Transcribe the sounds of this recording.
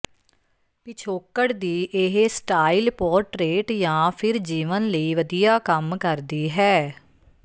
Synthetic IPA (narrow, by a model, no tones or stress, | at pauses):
pɪt͡ʃʰoːkəɽd̪iːʔɪɦsʈaːilpɔːɾʈɾeːʈjãːpʰɪɾd͡ʒiːʋənləiːʋəd̪ijaːkəmkəɾd̪iːɦɛː